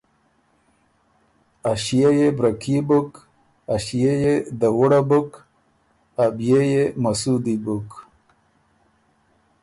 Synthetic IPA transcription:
aɕijajebɾakʰibuk | aɕijejed̪awuɽabuk | abjejemasud̪ibuk

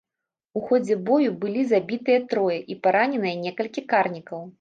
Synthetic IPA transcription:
uxɔd͡zʲɛbɔjubɨlʲizabʲit̪ɨjɐt̪ɾɔjɐʔipaɾanʲɛnɨjɐnʲɛkɐlʲkʲikarnʲikɐw

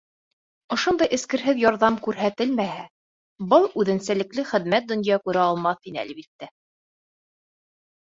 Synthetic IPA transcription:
ŏʃond̪ɑjʔɘ̆skɘ̆ɾɦɘðjɑɾðɑmkʉɾɦæt̪ɘlmæhæ | bɤlˠʉðɘ̆nsælɘ̆klɘχɘ̆ðmæt̪̚d̪ŏnjɑkʉɾæɑlˠmɑθinɘæ̰lbit̪ːæ

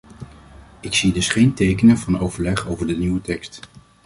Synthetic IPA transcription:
ɪksidɵsχejntejkənəvɑnowvəɹlɛχowvəɹdəniwətɛkst

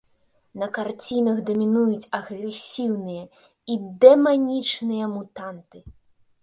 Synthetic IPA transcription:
nɐkart͡sʲinɐɣd̪ɔmʲinujut͡sʲɐɣɾɛsʲiwnɨjɐ | id̪ɛmanʲit͡ʂnɨjɐmut̪ant̪ɨ

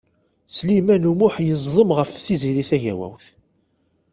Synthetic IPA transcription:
slimænumʊħjəzˤðˤəmʁəfθiziɾiθæʝæ̰wæ̰wθ

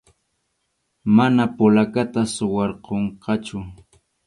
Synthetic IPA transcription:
manapʊlakat̪asʊwɑɾqoɴqɑt͡ʃʊ

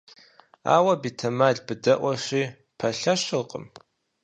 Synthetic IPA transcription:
a̰ːwɐbitʰɐmaɮbɨdɐʔʷɐʂʷiː | pʰɐɬɐʃɨrqʼə̰m

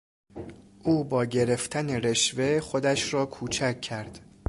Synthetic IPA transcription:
ʔuːbɒːɟe̞ɾe̞ft̪ʰæneɾe̞ʃve̞χo̞d̪æʃrɒːkʰuːt͡ʃʰækʰːæɾd̪̥

